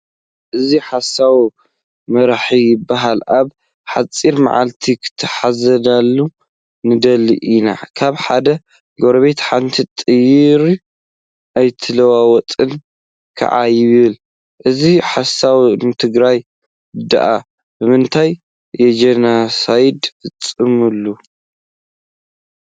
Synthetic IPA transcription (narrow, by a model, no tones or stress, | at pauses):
ʔɨziħasaw | mɐɾaħijɪbːaɦalʔaβ | ħat͡sʼːiɾma̰ʕa̰lt̪ʰikʰɨ̥t̪ʰːɐħazɐd̪alːu | nɨd̪ɐliʔina̰kʰaβħad̪ɐ | ɡo̞ɾɐβet̪ħant̪ʰit̪ʼɨjiɾi | ʔajt̪ʰɨlɐwawɔt̪ʼɨn | kʰɐ̰ʕa̰jɪβɨl | ʔɨziħasawnɨt̪ʰɨɡɾaj | ɨd̪a̰ʔa | b̥ɨmɨnt̪ʰajː | ɛd͡ʒɐnasajd̪ɨt͡sʼɨmɨlːu